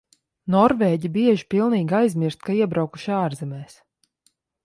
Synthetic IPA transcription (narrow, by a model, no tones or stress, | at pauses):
nɔɾveːɟibiɛʒipilˠniːɡʲajzmiɾst̪kaiɛbɾawku̥ʃaːɾzɛmɛːs